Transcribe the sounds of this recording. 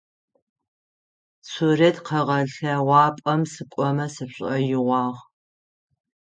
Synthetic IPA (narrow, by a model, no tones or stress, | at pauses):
suretʰqʰɐʁɐɬɐwɑːpʼɐmsɨkʷʼɔmɐsɨɕʼɐjɪʁʷɑːʁ